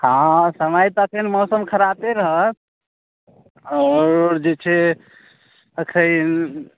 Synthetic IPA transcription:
hãsəmajt̪ɔəkʰənmɔsəmkʰəɾat̪eɾəɦət̪̚ | ɔːɾd͡ʒet͡ʃʰɛ | əkʰən

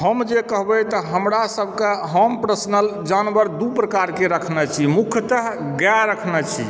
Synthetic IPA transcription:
ɦəmd͡ʒekəɦbɛt̪ɔɦəmɾasəbʱkeɦəmpɾəsnəld͡ʒanbəɾd̪upɾəkaɾkeɾəkʰnɛt͡ʃʰimukʰt̪əɦ | ɡaɾəkʰnɛt͡ʃʰḭ

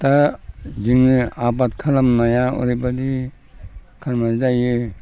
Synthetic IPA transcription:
taziŋnɯabat̚kʰalamnajaɔ̰ɾibadi | kʰaɾmazidajɯ

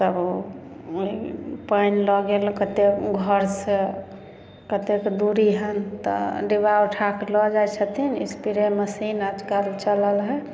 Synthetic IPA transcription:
səb | ipəjnlɔɡelkət̪ekɡʱəɾse | kət̪ekd̪uɾiɦənt̪ɔ̰ɖibauʈʰaklɔd͡ʒajt͡ʃʰət̪ʰinḭspiɾeməsinad͡ʒ̪kaɾt͡ʃələlɦɛ

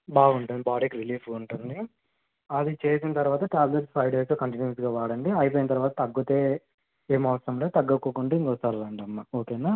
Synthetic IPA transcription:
baːɡuɳʈund̪ibaːɖikɾiliːfuɳʈund̪i | ɐd̪it͡ʃe̞ːsinɐt̪ɐɾuʋaːt̪ɐʈaːbleʈspʰɐjɖeːsoːkɐɳʈinjusɡaːʋaːɽɐɳɖiɐjip̬oːjinɐt̪ɐɾʋaːt̪ɐt̪ɐɡːut̪e̞ː | eːmɐːsɐmleːt̪ɐɡːɐkːukuɳʈuiŋkɔst̪aːlɐlɐɳɖiɐmːaoːkeːna

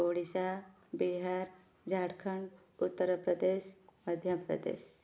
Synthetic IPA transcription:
oːɽisa | biɦaɾ | d͡ʒʱaɽkʰəɳɖ | ut̪ːəɾəpɾəd̪eʃməd̪ʱjapɾə̰d̪ḛːʃ

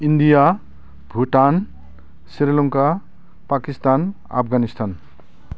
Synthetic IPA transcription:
ind̪ija | bʱuʈan | siɾeluŋka | pakist̪an | a̰pʰɡanist̪an

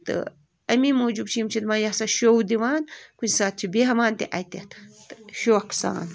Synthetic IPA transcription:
t̪ɨ̰ | ɐmimoːd͡ʒubt͡ʃʰiimt͡ʃʰid̪majahsaʃowd̪iwaːnkunsaːt̪̚t͡ʃʰibeɦɐmaːnt̪iʔajt̪et̪t̪ɨʃoːksa̰ːn

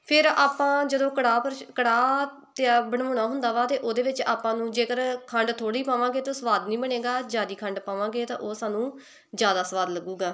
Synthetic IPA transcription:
pʰɪɾaːpãːd͡ʒəd̪õːkəɽaːpəɾkəɽaː | t̪aːbəɳoːnaːɦʊnd̪aːʋaːt̪eːʔoːd̪eːʋɪt͡ʃaːpãːnũːd͡ʒeːkəɾkʰəɳɖt̪ʰoːɽiːpãːʋãːɡeːt̪oːsəʋaːd̪nĩːbəɽeːɡaːd͡ʒaːd̪iːkʰəɳɖpaːʋãːɡeːt̪ã̰ːʔoːsaːnũː | d͡ʒjaːd̪aːsəʋaːd̪ləɡuːɡaː

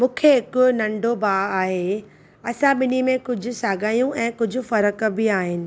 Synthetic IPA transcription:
mũːkʰeɦɪkʊnɐ̃ɳɖobaːaːɦe | ɐsãɓɪnimẽkʊd͡ʑʱʊ̆saːɡaːjũʔɛ̃ːkʊd͡ʑʱʊ̆fɐɾəkbɪaːɦɪnɪ̆

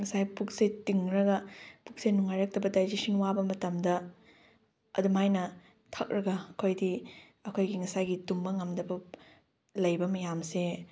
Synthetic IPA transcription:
ŋɐsajpuk̚setiŋɾɐɡɐpuk̚senuŋajɾɐk̚tɐbɐdajd͡ʒisinwabɐmɐtɐmdɐ | ɐ̰dumajnɐ | tʰɐk̚ɾɐɡɐːkʰojdi | ɐkʰojɡiŋɐsajɡitumbɐŋɐmdɐbɐ | lɐjbɐmɐjamse

